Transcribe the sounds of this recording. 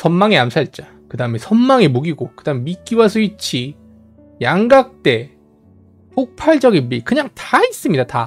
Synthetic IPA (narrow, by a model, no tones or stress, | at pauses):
sʰʌnmaŋiamsʰait͡ɕ͈a | kɯdaɯme̞sʰʌnmaŋimuɡiɡokɯd̥aɯmemik͈iwas̬ʰʌit͡ɕʰi | jaŋɡak̚t͈e̞ | pʰok̚pʰaɭd͡ʑʌɡinmikɯɲaŋtais͈ɯmɲidata